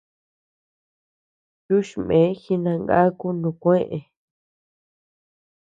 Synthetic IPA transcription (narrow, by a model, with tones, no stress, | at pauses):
ju˦ʃmẽ˨˦xi˧nã˧ŋɡa̰˦ku˦nũ˧˨kʷẽ˦ʔe˨